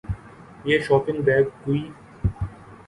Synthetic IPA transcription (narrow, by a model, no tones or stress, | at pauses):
jeʃɔːpɪ̃ŋbɛːɡ̚ːui